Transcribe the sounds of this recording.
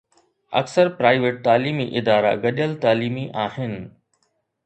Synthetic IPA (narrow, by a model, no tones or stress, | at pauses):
ɐ̰ksəɾpɾaːɪʋeːʈ̚t̪aːliːmiʔɪd̪aːɾa̰ɡɐɗəlt̪aːliːmiʔaːhɪnɪ̆